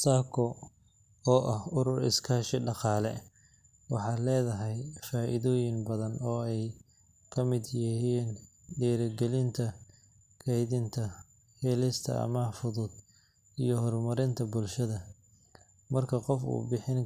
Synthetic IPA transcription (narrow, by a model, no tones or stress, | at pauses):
saːkʰɔ | ɔːʔɐhʊɾʊrɪ̰skʰɐhʃɛɖɑqɑːlɛ̰ | wɑħɑːlɛːðɐɦɛjfaːʔɪ̰ðɔːjɪŋbɐðɐnɔːɛj | kʰɐmɪd̪jɪɦiːn | ɖɛːɾɐɡɛlɪnt̪ʰɐ | kʰɛjðɪnt̪ʰɐ | hɛlɪst̪ʰɐ̰ʔɐ̰mɐfʊðʊd̪ | ijɞɦɔrmɐɾɪnt̪ʰɐbʊlʃɐðɐ | mɐrkʰɐqɔfṵːbɪħɪn